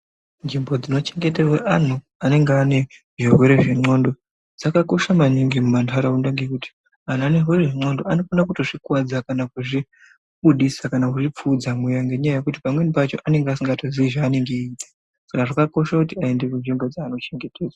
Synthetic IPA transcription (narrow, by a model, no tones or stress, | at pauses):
nd͡ʒimbo̞d͡zino̞t͡ʃe̞ŋɡe̞terweʔan̤u | ane̞ŋɡeane̞ | ʐirwe̞ɾe̞ʐiŋ͡ǀo̞ndo | d͡zakako̞ʃamaɲiŋɡimumantʰaɾaundaŋɡekuti̥ | an̤uane̞rwe̞ɾe̞ʐiŋ͡ǀo̞ndo̞ano̞fanakuto̞ʐikwad͡zakanakuʐi | ɓuɗisakanakuʐip͡fud͡zamujaŋɡeɲajaje̞kut̬i̥pamwe̞nipat͡ʃo̞ʔane̞ŋɡeasiŋɡato̞ziiʐaːne̞ŋɡeitḁ | sakaʐakako̞ʃakutiaendekunʐimbo̞d͡zaːno̞t͡ʃe̞ŋɡe̞teːzwa